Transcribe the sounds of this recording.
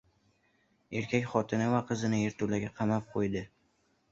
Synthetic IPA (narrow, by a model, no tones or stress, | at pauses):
e̞ɾkʲʰakʲχɒt̪ʰɪnavaqʰɨzɪnɪeɾt̪ʰʊlaɡʲaqʰɑmap̚qʰojd̪ɪ